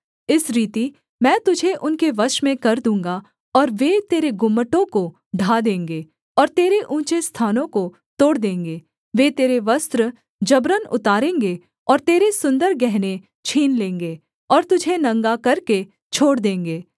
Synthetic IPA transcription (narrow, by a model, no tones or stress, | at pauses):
ɪsɾiːt̪i | mɛ̃ːt̪ʊd͡ʒʱeʔʊnkeʋɐʃmẽkɐɾd̪ũːŋɡa | ɔːɾʋet̪eːɾeɡʊmːəʈõko | ɖʱaːd̪ẽːŋɡeː | ɔːɾt̪eːɾeʔũːt͡ʃest̪ʰaːnõko | t̪oːɽd̪ẽːŋɡeː | ʋet̪eːɾeʋɐst̪ɾə | d͡ʒɐbɾənʊ̰t̪aːɾẽːŋɡe | ɔːɾt̪eːɾesʊ̃nd̪əɾɡɛɦne | t͡ʃʰiːnlẽːŋɡeː | ɔːɾt̪ʊd͡ʒʱenɐ̃ŋɡakɐɾke | t͡ʃʰoːɽd̪ẽːŋɡeː